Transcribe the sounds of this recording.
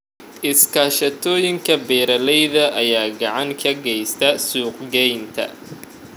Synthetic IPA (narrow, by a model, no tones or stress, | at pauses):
ʔɪskʰaːʃɐt̪ʰɔːjɪŋkʰɐbɛːɾɐlɛjðɐʔɐjaːɡɑʕɑŋkʰɐɡɛjst̪ʰɐsuːqɡɛjnt̪ʰɐ̰